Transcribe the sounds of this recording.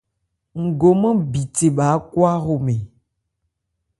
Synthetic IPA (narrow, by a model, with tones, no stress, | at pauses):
ŋ̩˨ɡo˨mə̃˦bi˨te˨ɓa˨˦kwa˦xo˨me˨